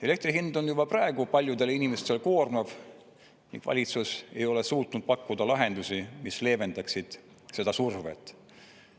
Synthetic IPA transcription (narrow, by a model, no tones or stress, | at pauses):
e̞le̞kt̪riɦind̪̥o̞njubɑprɑeɡ̥upɑlʲjud̪e̞linime̞st̪e̞lko̞ːrmɑv | nḭŋɡ̥vɑ̰lʲit̪suse̞̰jo̞le̞suːt̪nud̪̥̚pɑkːud̪̥ɑlɑɦe̞nd̪usimisle̞ːve̞nd̪ɑksid̪̥ | se̞d̪ɑsurvḛt̪ːˑ